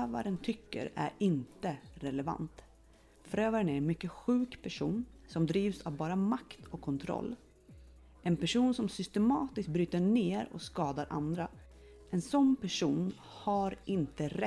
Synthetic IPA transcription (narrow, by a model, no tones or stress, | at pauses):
øːva̰ɾənt̪ʰʏkːə̰ɾæ̰ɾɪnt̪əɾɛlɛva̰nt̪ | fœɾøːvaɾənæɾɛnmʏkːəɧʉ̟ːkpʰæʂṵːnsɔmd̪ɾiːvsavbɑːɾamakt̪ʰɔkʰːɔnt̪ʰɾɔ̰lː | ʔɛnpæʂuːnsɔmsʏst̪ɛmɑːt̪ɪsk̪̚bɾyːt̪əɳeːɾɔ̰skɑːd̪aɾʔa̰nd̪ɾa | ɛnsɔnːpʰæʂuːn | haɾʔɪnt̪əɾɛ